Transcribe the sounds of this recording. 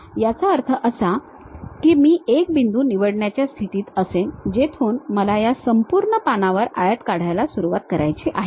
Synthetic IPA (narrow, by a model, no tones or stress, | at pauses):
jat͡saəɾt̪ʰəʔəsa | kiːmiːek̚bind̪uːniʋəɽɳjat͡ɕjast̪ʰit̪iːt̪əsend͡ʑet̪ʰuːnməlajasəmpuɾɳəpanaʋəɾajət̪kaɽ̤ajlasuɾuʋat̪kəɾajt͡ɕiʔaɦe